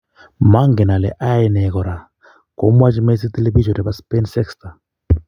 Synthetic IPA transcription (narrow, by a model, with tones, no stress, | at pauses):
ma˦ŋɡɛ˨na˨lɛ̰˨ʔa˦ɛ˨nɛ˨kɔ˨ɾa˨ | ko˦mwa˦t͡ʃi˦me˦s̬i˦t̪e˦le˦vi˦d͡ʒɔ˨ɾɛ˨ba˦spe˦nsɛ˦ksta˨